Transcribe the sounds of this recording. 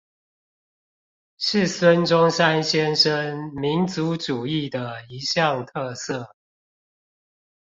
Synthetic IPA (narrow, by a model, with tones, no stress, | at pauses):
ʂɻ̩˥˨swə˦nʈ͡ʂʊ˦ŋsa˦nɕjɛ˦nʂə˦nmi˨˦nt͡su˨˦ʈ͡ʂu˨˩i˥˩d̪ə˩i˨˦ɕjɑ˥˨ŋt̪ʰɤ˥˧sə˥˨